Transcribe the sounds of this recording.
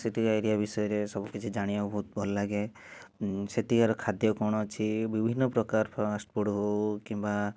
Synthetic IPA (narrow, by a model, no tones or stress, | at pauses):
set̪iajɾijabisɔjɔɾesɔbukit͡ʃʰid͡ʒaɽ̃iabʱɔɦut̪̚bʱɔlɔlaɡe | set̪iaɾɔkʰad̪jɔkɔɽ̃ɔt͡ʃʰibibʱinːɔpɾɔkaɾpʰasʈpɔɽɦokimba